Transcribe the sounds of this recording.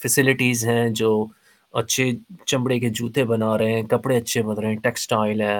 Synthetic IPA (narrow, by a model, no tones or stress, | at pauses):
fɛsɪlɪʈiːzɦɛ̃d͡ʒoː | ɐtːʃʰet͡ʃɐ̃mbɽeked͡ʒuːt̪ebɐnaːɾɐɦɛ̃kɐpɽeɐtːʃʰebɐnɾəɦɛ̃ʈɛːksʈaːɪlɦɛː